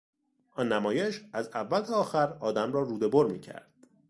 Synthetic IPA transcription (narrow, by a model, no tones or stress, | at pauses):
ʔɒːnːæmɒːjeʃæzævːælt̪ʰæɒːxæɾɒːd̪æmrɒːɾuːd̪e̞boɾmiːcʰæ̰ɾd̪̥̚